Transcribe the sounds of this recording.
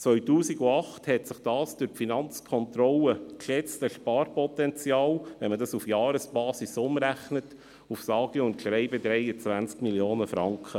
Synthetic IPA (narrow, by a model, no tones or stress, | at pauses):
t͡sʋœʏtuːsiɡuɑχthɛtsɪχd̥ɑːsd̥ʉɾfinɑnt͡skʰɔntɾɔləkʃɛt͡stəʃpɑːɾpɔtɛnt͡sjɑːlʋɛnmədɑsufjɑːɾəsb̥ɑːsisʊmɾæχnət | ufsɑːɡ̥iʊntʃɾɛɪbədɾɛjət͡sʋænt͡skmiljoːnəfɾɑŋkχə